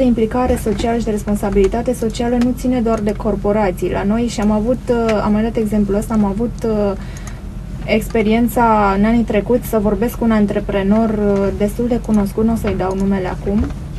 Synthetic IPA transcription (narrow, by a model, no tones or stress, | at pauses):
eimplikaɾe̞so̞t͡ʃialəʃ̬id̪ee̞spo̞nsabilit̪at̪e̞so̞t͡ʃialənut̪sine̞d̪oard̪e̞ko̞rpo̞ɾat̪sijlʔa̰no̞jʃiamavut̪a̰mad̪at̪e̞ɡze̞mpluəst̪aːmavut̪ | e̞kspe̞ɾie̞nt̪saɨnanit̪ɾe̞kut̪sʲsəvo̞rbe̞skunant̪ɾe̞pɾe̞no̞rd̪e̞st̪uld̪e̞kuno̞skut̪nosəɨjd̪awnume̞le̞a̰kum